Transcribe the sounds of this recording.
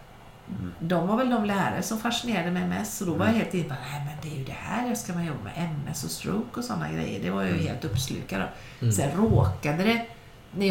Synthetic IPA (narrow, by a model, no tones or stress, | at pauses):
d̪ɔmvaɾvɛld̪ɔmlæːɾa̰ɾəsɔmfaʂɪneːɾad̪əmɛjmɛ̰st̪ɔd̪ɔvaɾjaheːlt̪ɪnːət̪bɑnæɪmɛnd̪ɛjɵd̪ɛhæ̰ɾɛskamanjɔbːa̰mɛ̰ʔɛmːɛ̰sɔst̪ɾo̰ːkɔsɔnːa̰ɡɾɛ̰jːə̰ɖɛvaɾj̰hḛːlt̪ɵpːslʉ̰ːkad̪ɔ̰ | sɛnɾoːkad̪əd̪ɛ | næ